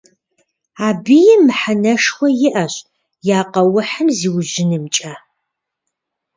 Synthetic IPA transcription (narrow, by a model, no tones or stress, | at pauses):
aːbijɛmɨħanɐʂxʷɐjɪʔɐɕ | jaːqɐwʊħɨmziːwʒɪnɨmt͡ʃʼaː